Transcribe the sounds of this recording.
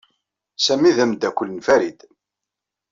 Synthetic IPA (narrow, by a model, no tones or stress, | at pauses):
sæmiðæmd̪ːækʷːəlːənfæɾid̪